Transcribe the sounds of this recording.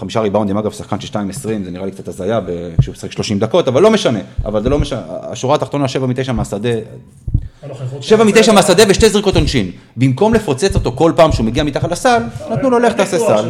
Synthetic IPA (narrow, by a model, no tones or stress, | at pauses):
χamiʃaʁibawnd̪imaɡavsaχkanʃelʃtaimesʁimzeniʁalikt͡sat̪hazajabekʃeusχikʃlo̞ʃimd̪ako̞t̪avalːo̞meʃane̞a̰valzelo̞meʃaa̰ʃuʁaːt̪aχt̪onaʃe̞vamit̪ejʃameasad̪e | ʃe̞vamit̪e̞jʃameasad̪e̞veʃtezʁiko̞t̪onʃinbimko̞mlefot͡se̞t͡sot̪o̞ko̞lpaːmʃeumeɡiamit̪aχatlasalnat̪nuloleχt̪aːsesal